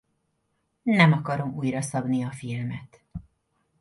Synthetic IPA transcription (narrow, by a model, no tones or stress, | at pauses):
nɛmɒkɒɾo̞muːjɾɒsɒbniɒfilmɛt̪